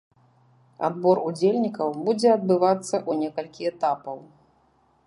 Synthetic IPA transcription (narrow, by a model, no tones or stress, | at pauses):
a̰d̪bɔɾud͡zʲelʲnʲikɐwbud͡zʲɛɐd̪̚bɨvat̪sːɐʔunʲɛkɐlʲkʲiɛt̪apɐw